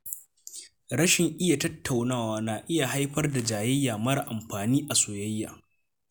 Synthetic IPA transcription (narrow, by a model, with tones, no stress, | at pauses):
ɾɐ˦ʃɪ˨ŋʔɪ˦ja˨tɐ˦tʰːa˨wnaː˦waː˦na˨ʔɪ˦ja˨ha˦jɸɐ˦rda˨d͡ʒaː˨jɪ˦jːaː˨mɐ˦ɽa˨ʔa˨mɸaː˨niː˦ʔa˨soː˨jɐ˦jːa̰ː˨